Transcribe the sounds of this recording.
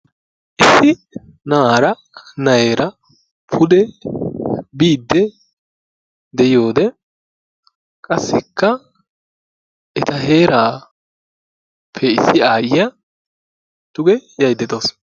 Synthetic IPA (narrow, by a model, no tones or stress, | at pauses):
ʔɪsːɪ | nɐaːɾɐ | nɐjeːɾʔɐ | pʰʊd̪ɛ | biːd̪ːɛ | d̪ɛjo̞ːd̪ɛ | kʼɐsːɛkːɐ | ʔɛt̪ɐɦe̞ːɾaː | pʰːɛɪsːɪaːjɪjɐ | t̪ʊɡɛjɐjd̪ːɛt̪os